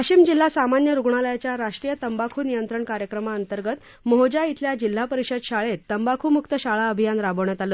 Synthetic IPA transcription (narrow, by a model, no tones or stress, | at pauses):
pət͡ɕimd͡ʑil̤ːasamanjəɾuɡɳaləjat͡ɕjaɾaʂʈɾijət̪əmbakʰuːnijənt̪ɾəɳkaɾjəkɾəmaənt̪əɾɡət̪ | moɦod͡ʑait̪ljad͡ʑil̤ːapəɾiɕəd̪ɕaɭet̪ːəmbakʰuːmukt̪əɕaɭaəbʱijanɾabəʋɳjat̪alo